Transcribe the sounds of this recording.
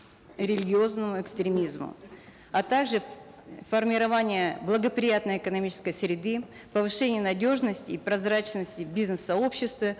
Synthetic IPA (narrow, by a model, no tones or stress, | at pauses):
ɾʲɪlʲɪɡʲɪo̞znəmʊɪkst̪ɾʲɪmʲizmʊ̰ | ɐt̪aɡʐɨ | fərmʲɪɾɐvanʲɪjəblˠəɡəpɾʲɪjat̪nəjɪkənɐmʲit͡ɕɪ̥skəjsɾʲɪd̪ɨ | pəvɨʂɛnʲɪjənɐdʲo̞ʐnəsʲtʲɪːpɾɐzɾat͡ɕnəsʲtʲɪbʲiznɨsːɐo̞pɕːɪst̪və